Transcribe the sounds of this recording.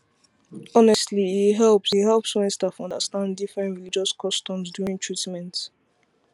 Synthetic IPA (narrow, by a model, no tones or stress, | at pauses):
ɔnɛstliːɦɛlˠpsihɛlpswɛ̃nstafɔ̃ndəstãnddifɹɛ̃ntɹilid͡ʒɔskʰɔstɔ̃msdjuɹĩŋtʰɹitmɛ̃nt